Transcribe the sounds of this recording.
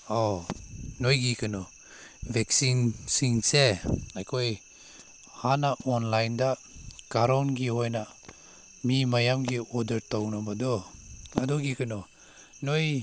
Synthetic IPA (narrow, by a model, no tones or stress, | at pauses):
ɔ | nojɡikʰanɔ | bʱeksinsiŋseajkʰoj | hanaʔɔnlajndakaɾawnɡiɦɔjna | mimajamɡiɔdəɾtawnabadɔadɔɡikʰanɔ | noj